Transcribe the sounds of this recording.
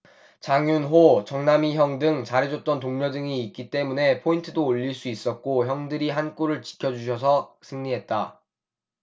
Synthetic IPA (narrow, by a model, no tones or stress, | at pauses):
t͡ɕaŋjunɦot͡ɕʌŋnamiɦjʌŋdɯŋt͡ɕaɾid͡ʑot͈ʌnt̬oŋɲʌdɯŋiːk̚k͈it͈e̞mune̞pʰointʰɯdoːʎːiɭs͈uis͈ʌt̚k͈oçjʌŋdɯɾiɦank͈oɾɯɭt͡ɕi̥kʰjʌd͡ʑuɕ̬ʰʌsʰʌsʰɯŋɲiɦe̞t̚t͈a